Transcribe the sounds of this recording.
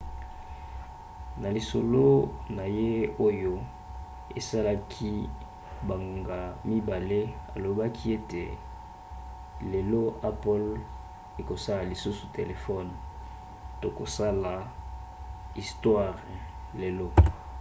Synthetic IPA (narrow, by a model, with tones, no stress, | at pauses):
na˨li˨so˨lo˦na˨je˦o˦jo˦ | e˨sa˦la˦kʰi˦ | ba˨ŋɡo˨ŋɡa˨mi˦ba˨le˦a̰˨lo˨ba˦kʰi˦e˦tḛ˨ | le˨lo˦a˦pɔ˦l | e˨ko˨sa˦la˨li˨su˦su˨te˨le˨fɔ˦n | to˨ko˨sa˦la˨ | i˨stwa˦˨ʁle˨lo˦